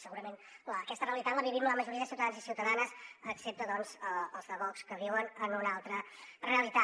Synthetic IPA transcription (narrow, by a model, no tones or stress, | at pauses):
səɣuɾəmenləkɛst̪əreəlit̪at̪ləβiβimləməʒuɾiəðəsiuwt̪əðanzisiwt̪əðanəsəksep̚t̪əðɔnzəəlˠzðəβɔkskəβ̞iwənənunalˠt̪ɾə | reəlit̪a